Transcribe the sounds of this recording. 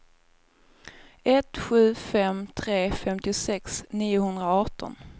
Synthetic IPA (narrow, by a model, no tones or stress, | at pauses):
ɛt̪ɧʉ̟ːfɛmt̪ʰɾeːfɛmt̪ɪʊsɛksniːʊhɵnd̪ɾaɑːʈɔ̰n